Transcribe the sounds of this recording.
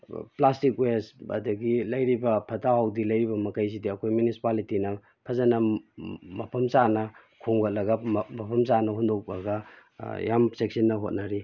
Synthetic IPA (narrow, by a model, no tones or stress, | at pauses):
plastikwesɐ̰dɐɡilɐjɾibɐpʰɐtaɦawdilɐjɾibɐmɐkajs̬idiɐkʰojmjunisi̥palitinɐ | pʰɐzɐnɐ | mɐpʰɐmt͡ʃanɐ | kʰoŋɡɐt̚lɐɡɐmɐpʰɐmsanɐɦundok̚lɐɡɐ | ja̰msek̚sinːɐɦot̚nɐɾi